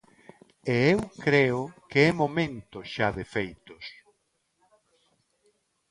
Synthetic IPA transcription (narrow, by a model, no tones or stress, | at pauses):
eewkɾeʊkeɛmomẽnt̪ʊʃaðefejt̪ʊs